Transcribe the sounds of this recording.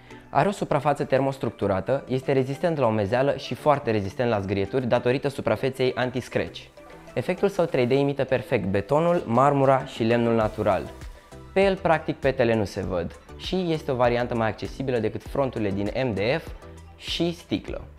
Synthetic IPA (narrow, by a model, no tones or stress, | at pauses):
a̰ɾeo̞supɾafat̪sət̪e̞rmo̞st̪ɾuk̚t̪uɾat̪əje̞st̪e̞ɾe̞zist̪e̞nt̪laome̞zealəʃifoart̪e̞ɾe̞zist̪ent̪lazɡɾiet̪urʲd̪at̪o̞ɾit̪əsupɾafe̞t̪se̞jʔant̪iskɾe̞̰t͡ʃʲ | e̞fe̞k̚t̪ulsəwt̪ɾe̞jd̪e̞imit̪əpe̞rfe̞k̚t̪̚be̞t̪o̞nulmarmuɾaʃile̞mnulnat̪uɾa̰l | pejelpɾak̚t̪ik̚pe̞t̪e̞le̞nulse̞vəd̪ʃije̞st̪e̞o̞vaɾiant̪əmajak̚t͡ʃe̞sibiləd̪e̞kɨt̪fɾo̞nt̪uɾile̞d̪ine̞md̪e̞ef | ʃist̪ḭklə̰